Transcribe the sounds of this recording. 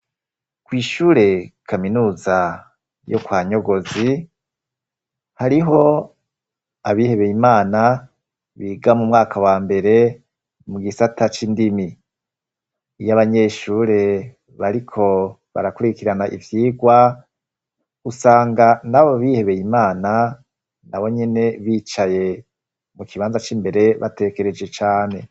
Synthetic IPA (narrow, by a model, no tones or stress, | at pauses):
kwiːʃuːɾe̞kʰaminuːza | jokwaːɲo̞ɡo̞zi | haɾiɦo̞ | aβihe̞βe̞jimaːna | βiːɡamumŋaːkʰawaːmbe̞ɾe̞ | muɡisatʰat͡ʃindimi | jaβaɲe̞ːʃuːɾe | βaɾikʰo̞ | βa̰ɾakuɾikiɾanaʔḭvjiːɡwa | usaːŋɡanaβoβihe̞βe̞jimaːna | naβo̞ɲe̞ne̞βit͡ʃaje̞ | mukiβaːnzat͡ʃiːmbe̞ɾe̞βa̰te̞ke̞ɾe̞d͡ʒet͡ʃaːne̞